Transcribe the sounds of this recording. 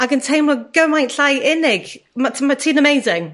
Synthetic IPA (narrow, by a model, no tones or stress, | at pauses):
aɪkə̃ntʰɛɪmlak̚ɡ̥oʊmaɪ̃ntʰaɪɪnɪɡ̥matʰmaɪtʰiːnəmeɪzɪ̃ŋ